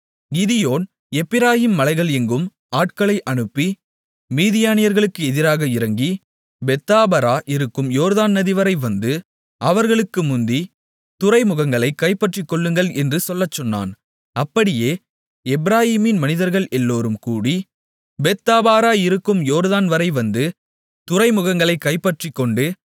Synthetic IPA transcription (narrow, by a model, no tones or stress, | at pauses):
ɡɪðɪjoːn | ɛpːɪɾaːjiːmːɐlɐɪɣɐɭɛŋɡɯm | aːʈ̚kɐɭɐɪʔɐɳɯpːi | miːðɪjaːnɪjɐɾɣɐɭɯkːɯɛðɪɾaːɣɐɪɾɐŋɡi | bɛt̪ːaːbɐɾaːʔɪɾɯkːɯmjoːɾðaːnːɐðɪʋɐɾɐɪʋɐnd̪ɯ | ɐʋɐɾɣɐɭɯkːɯmʊnd̪i | t̪ʊɾɐɪmʊɣɐŋɡɐɭɐɪkːɐɪpːɐʈrikːɔɭːɯŋɡɐɭɛndrɯsɔlːɐt͡ʃːɔnːa̰ːn | ɐpːɐɽɪjeː | ɛbɪɾaːjiːmɪnmɐnɪðɐɾɣɐɭʔɛlːoːɾɯmkuːɽi | bɛt̪ːaːbaːɾaːɪɾɯkːɯmjoːɾðaːnʋɐɾɐɪʋɐnd̪ɯ | t̪ʊɾɐɪmʊɣɐŋɡɐɭɐɪkːɐɪpːɐʈrikːɔɳɖɯ